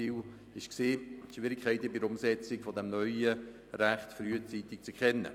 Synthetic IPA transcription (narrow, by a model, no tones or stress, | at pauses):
iw | ɪʃkseːʃʋɪɾɪkʰːɛɪtəbiəɾʊmsɛt͡sɪɡfɔdɛmnœʏə | ɾæχtfɾyːət͡siːtɪk̚t͡sɛkχɛnːə̰